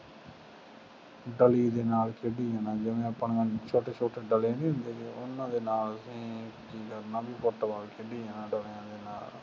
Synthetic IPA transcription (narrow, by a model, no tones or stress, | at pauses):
ɖəliːd̪eːnaːlkʰeɖiːɦɛːnãːd͡ʒɪʋẽːəpːəɳeːənt͡ʃʰoːʈeːt͡ʃʰoːʈeːɖəleːnĩːɦʊ̃nd̪eːkeːʔʊnːãːd̪eːnaːləsĩːkiːkəɾnãːbiːpoʈːʋaːlkʰeɖiːɦeːnãːɖəljãːd̪eːnaːl